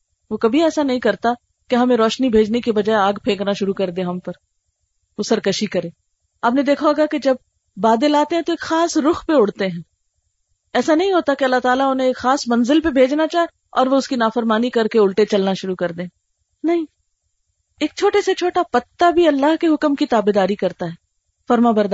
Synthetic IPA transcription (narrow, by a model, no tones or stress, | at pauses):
ʋokɐbʱiɛːsanɐɦĩkɐɾt̪a | keɦɐmẽɾɔːʃnibʱeːd͡ʒnekebɐd͡ʒaːeaːɡpʰẽːknaʃʊɾukɐɾd̪ẽːɦɐmpɐɾ | ʋosɐɾkɐʃikɐɾẽː | aːp̚nẽd̪eːkʰaoːɡaked͡ʒɐb̚ː | aːd̪elaːt̪eɦɛ̃t̪oeːkxaːsɾʊxpeʊɽt̪eɦɛ̃ː | ɛːsanɐɦĩɦoːt̪akeɐlːaɦt̪aːlaʊnɦẽːkxaːsmɐ̃nzɪlpebʱeːd͡ʒnat͡ʃaːɦe | ɔːɾʋoʊskinaːfəɾmaːnikɐɾkeʊlʈet͡ʃɐlnaʃʊɾukɐɾd̪ẽː | nɐɦĩ | eːk̚t͡ʃʰoːʈeset͡ʃʰoːʈapɐt̪ːabʱiɐlːaɦkeɦʊkmkit̪aːbed̪aːɾikɐɾt̪aɦɛː | fɐɾmãbɐɾd̪